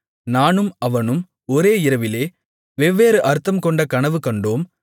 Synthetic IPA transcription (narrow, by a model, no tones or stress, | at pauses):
naːnɯmɐʋɐnɯm | ɔɾeːɪɾɐʋɪleː | ʋɛʋːeːɾɯʔɐɾɯt̪ːɐmkɔɳɖɐkɐnɐʋɯkɐɳɖoːm